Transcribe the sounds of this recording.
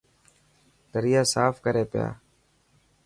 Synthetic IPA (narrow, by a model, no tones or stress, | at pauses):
d̪əɾɪjaːsaːfkəɾeːpɪja̰ː